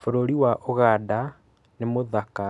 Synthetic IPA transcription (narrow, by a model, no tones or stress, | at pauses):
foɾoɾiwaʔoɣaːda | nemoðaka